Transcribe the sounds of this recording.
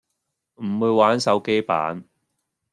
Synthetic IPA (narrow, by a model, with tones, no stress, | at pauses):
m̩˨˩wuː˨˧jwaː˨˥nsɐ˨˥wke˥jpa̰ː˨˦n